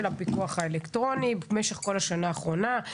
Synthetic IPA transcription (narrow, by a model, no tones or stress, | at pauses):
elapikuaχaelektʁo̞nibeme̞ʃe̞χko̞laʃanaːχʁo̞na